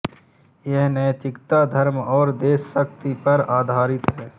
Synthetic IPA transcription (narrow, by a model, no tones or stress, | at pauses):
jɛɦnɛːt̪ɪkt̪ad̪ʱɐɾmɔːɾd̪eːsːəkt̪ipɐɾaːd̪ʱaːɾɪt̪ɦɛː